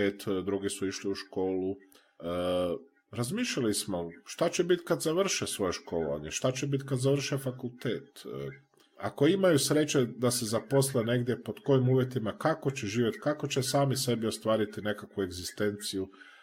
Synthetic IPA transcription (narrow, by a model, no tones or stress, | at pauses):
eːt̪d̪ɾuɡisuiʃliuʃko̞ːlu | ɾazmiːʃʎalismo̞ʃt̪at͡ɕebit̪kad̪zaʋr̩ʃesʋo̞jeʃko̞ːloʋa̰ɲeʃt̪at͡ɕebit̪kad̪zaʋr̩ʃefakulˠt̪eːt̪ | a̰ko̞imajusɾe̞t͡ʃe̞d̪asezapo̞slene̞ɡd̪je̞po̞d̪ko̞jimuːʋje̞t̪imakako̞t͡ɕeʒiːʋje̞t̪kako̞t͡ɕesaːmise̞bio̞st̪ʋaːɾit̪ine̞kakʋue̞ɡzist̪e̞nt̪siju